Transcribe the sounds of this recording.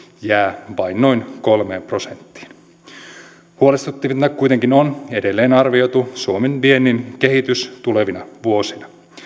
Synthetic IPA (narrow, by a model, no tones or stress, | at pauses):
jæːʋɑjnno̞inko̞lmeːmpro̞sent̪ːi̥ːn | huolest̪ut̪ːiʋinːækkujt̪eŋkinone̞de̞lːeːnɑrʋio̞jt̪usuomenpienːinke̞ɦit̪yst̪uleʋinɑʋuosinɑ